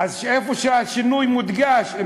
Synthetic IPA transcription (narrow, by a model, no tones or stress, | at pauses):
azʃefoʃeaʃinujmut̪ɡaʃ